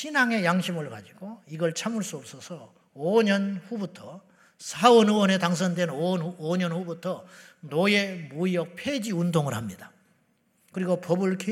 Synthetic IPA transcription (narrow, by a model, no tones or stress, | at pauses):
ɕʰinaŋe̞jaŋɕʰimɯɭkad͡ʑiɡ̥oiɡʌɭt͡ɕʰamuɭs͈uʌp̚s͈ʌsʰʌ | oɲʌnɸubutʰʌ | sʰawʌnuwʌnetaŋsʰʌndwe̞nonoɲʌnɸubutʰʌnojemuijʌk̚pʰed͡ʑiundoŋɯɭhamɲida | kɯɾiɡopʌbɯɭkʰe